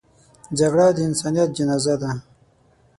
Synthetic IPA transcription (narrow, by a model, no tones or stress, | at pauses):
d͡ʒaɡɽad̪əɪnsaːnijat̪̚d͡ʒinazad̪a